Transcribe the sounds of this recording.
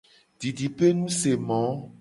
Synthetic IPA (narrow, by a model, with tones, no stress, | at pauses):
ɖi˨ɖi˨pe˦nũ˦se˨mɔ̃˨˦